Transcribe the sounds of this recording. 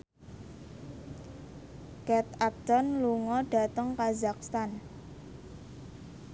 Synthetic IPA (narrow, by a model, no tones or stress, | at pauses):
kɛt̪̚ap̚t̪ɔnluŋɔɖ̥a̤t̪əŋkazak̚st̪an